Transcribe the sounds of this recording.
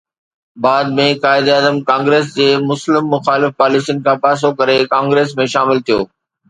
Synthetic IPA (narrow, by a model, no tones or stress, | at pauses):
baːd̪̚mẽkaːɪd̪əːzəmkãːŋɡɾeːs̬d͡ʑeːmʊslɪmːʊxaːlɪfpaːlɪsijənɪ̆kʰãːpaːs̬okɐɾekãːŋɡɾeːs̬mẽʃaːmɪlt̪ʰijo̰ː